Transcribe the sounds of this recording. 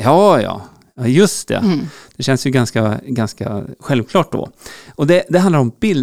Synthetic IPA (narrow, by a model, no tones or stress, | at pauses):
jɑːjɑ̰ː | ɑːjɵst̪̚d̪ɛ̰d̪̥ɛɕɛnsjɵɡanskaɡanska̰ɧɛlvkʰlɑːʈ̚d̪ɔ̰ːʔɔd̪ɛd̪ɛɦand̪aɾɔmbɪl